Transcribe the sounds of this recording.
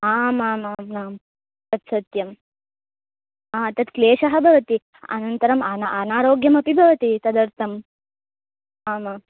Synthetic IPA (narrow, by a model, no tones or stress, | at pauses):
aːmaːmaːmnaːm | t̪ɐt̪sɐt̪jɐm | aːt̪ɐt̪kleːʃɐɦɐbʱɐʋɐt̪i | ɐ̰nɐnt̪ɐɾɐmanɐʔanaːɾoːɡjɐmɐpibʱɐʋɐt̪it̪ɐd̪ɐɾt̪ʰɐm | aːma